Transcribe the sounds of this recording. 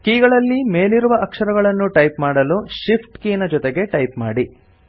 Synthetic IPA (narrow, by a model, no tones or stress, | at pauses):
kiːɡɐɭɐlːime̞ːliɾuʋɐʔɐkʂɐɾɐɡɐɭɐnːuʈɐjpmaːɽɐluʃipʰʈkiːnɐd͡ʒɔt̪eɡe̞ʈɐjpmaːɽi